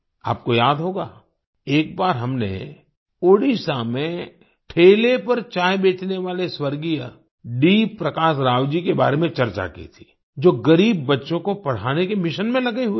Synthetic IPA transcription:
a̰ːp̚kojaːd̪ɦoːɡaː | eːk̚baːɾɦɐmnḛ | oːɽisaːmẽ | ʈʰeːlepɐɾt͡ʃaːjbeːt͡ʃneʋaːleswɐɾɡijə | ɖiːpɾɐkaːʃɾaːʋd͡ʒikeba̰ːɾemẽt͡ʃɐɾt͡ʃa̰kḭt̪ʰi̥ː | d͡ʒoːɡɐɾiːbːɐtːʃõkopɐɽ̤aːnekemɪʃənmẽlɐɡiɦʊi

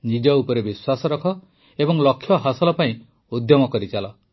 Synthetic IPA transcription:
nid͡ʒɔupɔɾebiswasɔɾɔkʰɔ | ebɔŋlɔkʰːjɔɦasɔlɔpaĩ | ud̪jɔmɔkɔɾit͡ʃalɔ

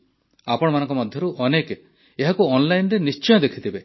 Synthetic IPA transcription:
apɔɽ̃ɔmanɔ̃ŋkɔmɔd̪ʱjɔɾuʔɔneke | eɦakuɔnlajnɾenist͡ʃɔjɔd̪ekʰit̪ibe

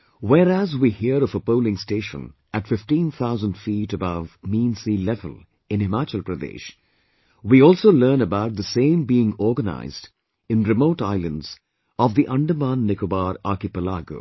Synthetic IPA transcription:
wɛːɾæzwiːhiəɾɔvəpoʊlɪ̃ŋsteːʃə̰̃n | ætfɪfʈĩːnt̪ʰaʊzə̃nɖfiɾəbʌvmĩnsilɛvə̰l | ɪ̃nɪmat͡ʃəlˠpɾəd̪ḛːʃ | wiɔːlˠsoləːnəbaʊt̚ðəsẽɪ̃mbiːɪ̃ŋɔːɡəna̰ɪzd | ɪ̃nɾɨmoʊʈaɪlə̃ndz̥ | ɔvd̪iʔʌ̃ɳɖəmãnːɪkobaːɾakɪpəlaːɡo̰ː

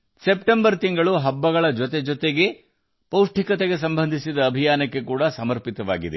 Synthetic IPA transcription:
sepʈembɐɾt̪iŋɡɐɭuɦɐbːɐɡɐɭɐd͡ʒɔt̪ed͡ʒɔt̪eɡe̞ | pɐwʂʈʰikɐt̪eɡe̞s̬ɐmbɐnd̪ʱisid̪ɐːbʱijaːnɐkːe̞kuːɽɐsɐmɐɾpit̪ɐʋa̰ːɡid̪e

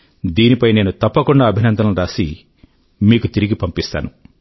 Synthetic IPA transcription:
d̪iːnipɐjne̞ːnut̪ɐpːɐkuɳɖaːbʱinɐnd̪ʱɐnɐmɾaːsi | miːkut̪iɾiɡipɐmpist̪a̰ːnu

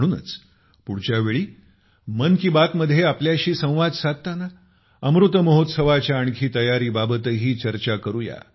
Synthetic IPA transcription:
ɽ̃uːnə̰t͡s | puɽt͡ɕjaʋeɭiː | mənkiːbat̪məd̪ʱːjeapljaɕiːsə̃w̃ʋad͡z̪sad̪̚t̪ːana | əmɾut̪əməɦot̪səʋat͡ɕjaːɳkʰiːt̪əjaɾiːbabət̪əɦiːt͡ɕəɾt͡ɕakəɾuja̰

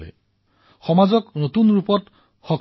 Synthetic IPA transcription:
lḛ | xɔmazɔknot̪unɾupɔt | xɔk

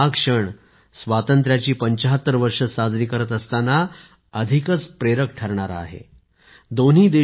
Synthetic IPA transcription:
akʂəɳ | sʋat̪ənt̪ɾjat͡ɕiːpəɲt͡ɕəɦət̪ːəɾʋəɾʂəsad͡zɾiːkəɾət̪əst̪ana | əd̪ʱikət͡spɾeɾək̚ʈʰəɾɳaɾa̰ɦḛ | d̪on̤ɦiːd̪e

